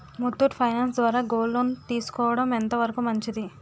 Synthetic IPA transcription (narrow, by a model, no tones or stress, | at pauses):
mut̪ːuʈpʰɐjnaːns̬d̪ʋaːɾaːɡoːlːoːnt̪iːsu̥kɔːʋɐɽɐment̪ɐʋɐɾɐkumɐɲt͡ʃid̪i